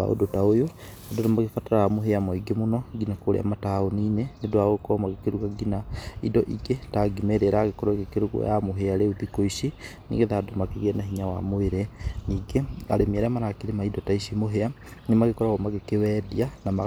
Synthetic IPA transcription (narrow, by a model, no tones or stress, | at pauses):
a̰o̰dotaojo | adonomaɣefataɾaːmoɦeamɔiɡemonɔɡinakoɾḛa̰mataoniːnenedoaoɣkɔmaɣekeɾuɣaɡinaidɔʔiɡetaɡimɛɾeɾaːɣekɔɾɔiɡekeɾuɣɔ̰jamoɦeaɾeuðikoiʃinḭŋɡeðadomakeɣenaɦiɲawa̰moeɾeniːɡea̰ɾemiɛɾɛamaɾakeɾemaidɔtaisimoɦea | nemaɣekɔɾaɣɔmaɣekewɛːdianama